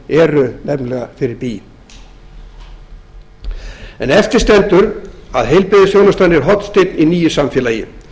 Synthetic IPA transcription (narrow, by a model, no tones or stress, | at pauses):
ɛɾʏnɛnlɛɣafɪɾɪɾpi | ɛ̰nɛft̪ɪɾ̥st̪ɛnt̪ʏɾa̰ðɦejlpɪðɪsfjownast̪ajnɪɾɦɔt̪n̥st̪et̪niniːjɪsamfjɛːlajɪ̰